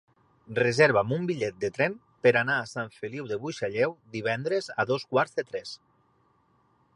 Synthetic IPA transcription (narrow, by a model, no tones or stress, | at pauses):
rezeɾβamumbiʎɛt̪̚d̪et̪ɾɛm | peɾanaːsaɱfeliwðeβuʃaʎɛwd̪iβ̞ɛnd̪ɾeza̰ðoskwaɾzðet̪ɾɛs